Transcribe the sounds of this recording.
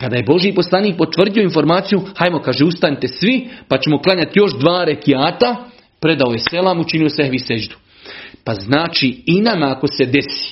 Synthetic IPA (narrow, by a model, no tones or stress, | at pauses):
kad̪aːjebo̞ʒjipo̞slˠaːniːk̚po̞t̪ʋr̩d̪ijo̞info̞ɾmaːt̪sijuhajmo̞kaːʒeust̪anit̪e̞sʋipat͡ɕe̞mo̞klˠaɲat̪jo̞ʃd̪ʋaːɾekijaːt̪a | pɾe̞d̪aoje̞se̞laːmut͡ʃinijosehʋise̞d͡ʒd̪u̥ | paznaːt͡ʃiinamaːko̞se̞d̪e̞si̥